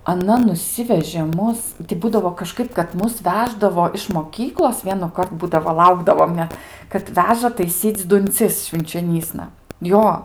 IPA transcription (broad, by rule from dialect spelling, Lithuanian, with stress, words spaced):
ɐˈnɐ nʊˈsʲɪʋʲɛʒʲeː ˈmʊs tʲɪ ˈbuːdɐʋoː kɐˈʃkɐɪp kɐt ˈmʊs ˈʋʲæːʒdɐʋoː ɪʃ moːˈkʲiːklˠoːs ʋʲiɛnʊˈkɐrt ˈbuːdɐʋoː ˈlˠɐʊɡdɐʋoːm nʲɛt kɐt ˈʋʲæːʒɐ tɐɪˈsʲiːt͡sʲ dʊnʲˈt͡sʲɪs ʃʲʋʲɪnʲt͡ʃʲoːˈnʲiːsnɐ ˈjoː